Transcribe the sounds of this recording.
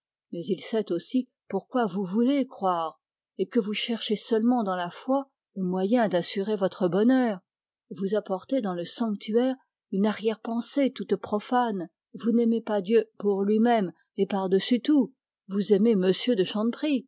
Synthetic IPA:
mɛzilsɛt̪osi | puʁkwavuvulekχwaːʁ | ekəvuʃɛʁʃesœlmɑ̃d̪ɑ̃lafwa | ləmwajɛ̃d̪asyʁevɔt̪χəbɔnœːʁ | vuzapɔʁt̪ed̪ɑ̃ləsɑ̃k̚t̪ʰyɛʁ | ynaʁjɛʁpɑ̃set̪ut̪pχɔfan | vunɛmepad̪jøpuʁlɥimɛm | epaʁd̪əsyt̪u | vuzememəsjød̪əʃɑ̃d̪pχi

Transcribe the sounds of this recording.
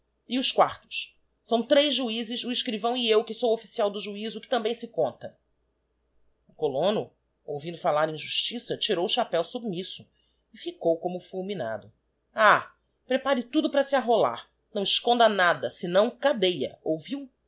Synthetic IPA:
ɪʊskwaɾt̪ʊ̥ʃ | sɐ̃w̃t̪ɾejzʒuizɪzuiʃkɾivɐ̃w̃iewkɪsowofi̥siawd̪ʊʒuizʊkɪ̥t̪ɐ̃bẽj̃sɪkõnt̪ɐ | ʊkolõnʊ | owvĩd̪ʊfalaɾẽʒuʃt͡ʃisɐt͡ʃiɾowʊʃapɛwsubmisʊ | ɪfikowkõmʊfulˠmina̰d̪ʊ | a | pɾepaɾɪt̪ud̪ʊpɾɐsiaɦola̰ɾ | nɐ̃w̃ɪʃkõnd̪ɐnad̪ɐsɪnɐ̃w̃kad̪ejɐ̰owviw

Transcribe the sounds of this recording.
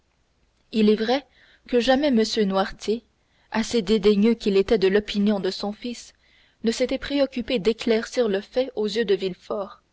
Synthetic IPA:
ilɛvʁɛ | kəʒamɛməsjønwaʁt̪ʰje | ased̪ed̪eɲøkʲilet̪ɛd̪əlɔpinjɔ̃d̪əsɔ̃fis | nəset̪ɛpχeɔkʲyped̪eklɛʁsiːʁləfɛozjød̪əvilfɔːʁ

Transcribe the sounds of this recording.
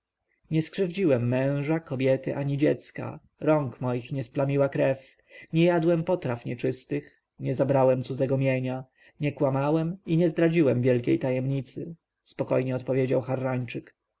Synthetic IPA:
ɲɛskʂɘvd͡ʑiwɛmːɛ̃w̃ʐakɔbʲjɛt̪ɘʔaɲid͡ʑɛt̪ska̰ | ɾɔŋkmɔjixɲɛsplamʲiwakɾɛf | ɲɛjad̪wɛmpɔt̪ɾafɲɛt͡ʂɘst̪ɘx | ɲɛzabɾawɛmt̪sud̪zɛɡɔmʲjɛɲa | ɲɛkwamawɛmiɲɛzd̪ɾad͡ʑiwɛmvʲjɛlkʲḛjt̪ajɛmɲit̪sɘ | spɔkɔ̰jɲɛɔt̪pɔvʲjed͡ʑawxaɾːaɲt͡ʂɘk

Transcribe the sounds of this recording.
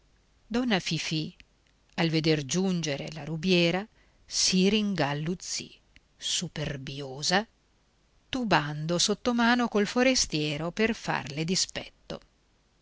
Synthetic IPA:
d̪ɔnːafifi | alved̪erd͡ʒund͡ʒeɾḛlaɾubjɛːɾa | siɾiŋɡalːut̪sːḭ | superbjoːza | t̪uband̪osot̪ːomaːnokolfoɾest̪jɛːɾoperfa̰rled̪ispɛ̰t̪ːo̰

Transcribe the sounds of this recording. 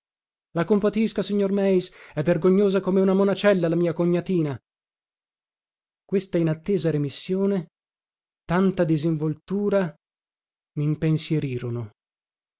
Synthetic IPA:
lakompat̪iskasiɲːormɛjsɛvːerɡoɲːoːzakomeunamonat͡ʃɛlːalamiːakoɲːat̪iːna | kwest̪ainat̪ːeːzaɾemisːjoːne | t̪ant̪ad̪iziɱvolt̪uːɾa | miːmpensjeɾiːɾono

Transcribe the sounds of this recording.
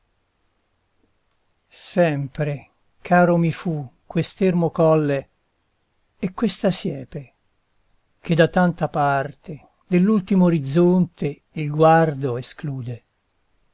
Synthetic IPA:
sɛmpɾe | kʰaːɾomifukːwest̪ermokɔlːe | kːwest̪asjɛːpe | k̟ed̪at̪ːant̪apart̪e | d̪elːult̪imooɾid̪zont̪e | ilɡward̪oeskluːd̪e

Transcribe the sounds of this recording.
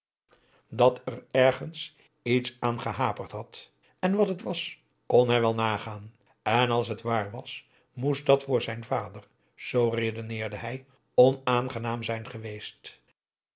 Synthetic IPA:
dɑtərɛɹχəns | itsaːnχəɦaːpərtɦɑt | ɛnʋɑtɦətʋɑs | konɦɛjʋɛlˠnaːχaːn | ɛnɑlˠs̬ɦətʋaːɹʋɑs | mustdɑtfʊːɹzɛjnvaːdər | z̥owredonɪːɹdəɦɛj | ɔnaːnχənaːmzɛjnχəʋejst

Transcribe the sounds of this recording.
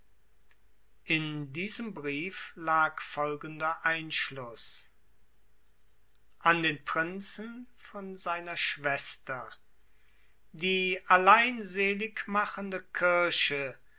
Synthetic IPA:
ʔɪndiːzəmbʁiːflaːkfɔlɡəndɐʔaɪnʃlʊs | ʔandeːnpʁ̥ɪnt͡sn̩ | fɔnzaɪnɐʃv̥ɛstɐ | diːʔalaɪnzeːlɪkmaχəndəkʰɪɐʃə

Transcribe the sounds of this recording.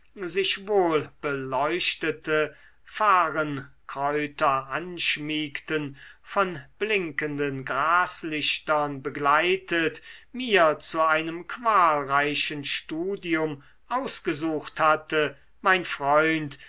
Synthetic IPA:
zɪʃvoːlb̥əlɔʏʃtətʰə | faːʁənkʁ̥ɔʏtɐʔanʃmiːktənfɔnblɪŋkəndənɡʁaːslɪʃtɐnbəɡlaɪtətmiːɐt͡suaɪnəmkv̥aːlʁaɪʃənʃtuːdiʊm | ʔaʊsɡ̥əzuːxthatə | maɪnfʁ̥ɔʏnt

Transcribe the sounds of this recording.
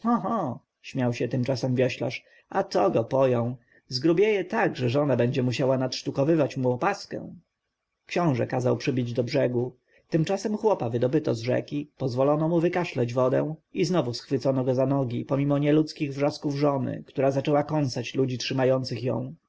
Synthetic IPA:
xɔɦɔ | ɕmʲjawɕɛt̪ɘmt͡ʂasɛmvʲjɔɕla̰ʂ | ʔat̪ɔɡɔpɔjɔ̃w̃ | zɡɾubʲjejɛt̪aɡʐɛʐɔnabɛɲd͡ʑɛmuɕawanatʂt̪ukɔvɘvat͡ɕmuɔpaskɛ̰̃w̃ | kɕɔ̃w̃ʐɛkazawpʂɘbʲid͡ʑd̪ɔbʐɛɡu | t̪ɘmt͡ʂasɛmxwɔpavɘd̪ɔbɘt̪ɔzʐɛ̰kʲipɔzvɔlɔnɔmuvɘkaʂlɛd͡ʑvɔd̪ɛ̰̃w̃iznɔvusxfɘt̪sɔnɔɡɔzanɔɡʲipɔmʲimɔɲɛlut̪skʲiɣvʐaskuvʐɔnɘ̰kt̪uɾazat͡ʂɛwakɔnt̪sat͡ɕlud͡ʑitʂɘmajɔnt̪sɘxjɔ̰̃w̃

